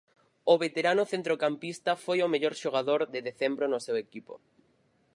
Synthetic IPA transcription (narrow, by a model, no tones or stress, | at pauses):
ʊβet̪eɾanʊθent̪ɾokampist̪ɐfojomeʎoɾʃoɣaðoɾðeðeθembɾonʊsewekipo̰